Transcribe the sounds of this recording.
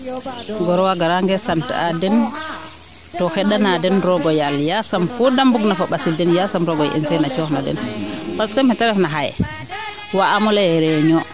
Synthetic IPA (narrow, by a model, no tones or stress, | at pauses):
ɡɔɾɔwaɡaɾaŋɡɛsantadɛn | tɔxɛɗːanadɛnɾɔɡɔjaljasamfudambuɡnafɔɓasildɛnjasamɾɔɡɔjʔɛ̰nsɛjnat͡ʃɔxnadɛ̰nwaskamɛtɛɾɛfnaɦaj̰ | waːmɔlaɛɾɛɲɔ